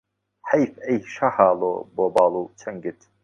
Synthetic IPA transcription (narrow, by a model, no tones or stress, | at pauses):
ħajfejʃahaːlo̰boːbaːlˠut͡ʃʰɐŋɡɪt̪